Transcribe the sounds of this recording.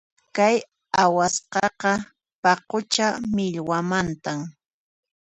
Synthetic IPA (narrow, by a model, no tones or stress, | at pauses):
kaj | awasqɑqɑ | pɑqʊt͡ʃamɪʎwamant̪am